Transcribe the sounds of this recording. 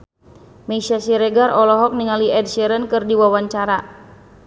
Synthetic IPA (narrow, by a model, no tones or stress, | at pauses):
mɛisasiɾɛɡarɔlɔɦɔk̚niŋaliʔɛdʃɛɾənkɨrdiwawaɲt͡ʃaɾa